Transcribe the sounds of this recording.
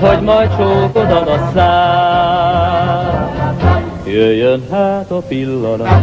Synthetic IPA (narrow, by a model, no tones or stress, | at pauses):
ɦoɟmɒjt̪̚t͡ʃoːkod̪ɒd̪ɒsaː | jøjːønɦaːt̪ɒpilːɒno